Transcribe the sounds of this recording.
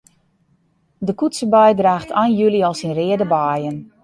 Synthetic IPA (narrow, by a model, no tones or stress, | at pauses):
dəkutsəbajdraːxtʰajnjyliɔlˠsinrɪədəbaːjən